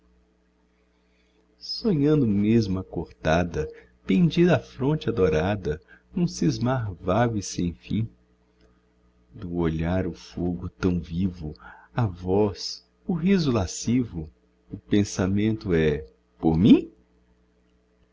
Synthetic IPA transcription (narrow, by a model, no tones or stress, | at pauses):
sõɲɐ̃nd̪ʊmezmʊɐkoɾt̪ad̪ɐ | pẽd͡ʒid̪ɐafɾõnt͡ʃɪad̪oɾad̪ɐnũsizmaɾvaɡʊisẽj̃fḭ̃ | d̪ʊoʎaɾʊfoɡʊt̪ɐ̃w̃vivʊavɔs | ʊɦizʊlasivʊ | ʊpẽsamẽnt̪ʊɛ | poɾmĩ